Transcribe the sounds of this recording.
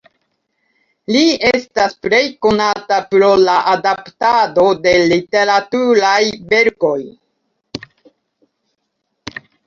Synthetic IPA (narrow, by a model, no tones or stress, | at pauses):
lie̞staspɾe̞jko̞natapɾo̞laʔadaptado̞de̞lite̞ɾatuɾajbe̞ɾko̞j